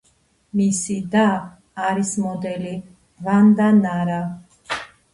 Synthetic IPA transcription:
misid̪aː | ɾismɔd̪ɛli | vand̪anaɾa

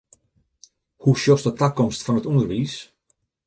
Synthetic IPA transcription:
huʃjosdətakɔmstfɔnətundərʋis

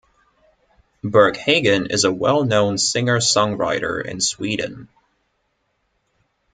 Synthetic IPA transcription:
bɜ˞kheɪɡɨ̃nɪ̰zəwɛlˠnõʊ̃nsɪ̃ŋə˞sɔ̃ŋɹaɪɾə̰˞ɪ̰̃nswidⁿn̩

